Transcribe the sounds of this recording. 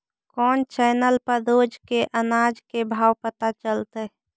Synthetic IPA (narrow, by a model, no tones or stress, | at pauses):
kɔːnt͡ʃɛːnəlpəɾd̪oːd͡ʒkeʔənaːd͡ʒkebʱaːwpət̪at͡ʃəlt̪e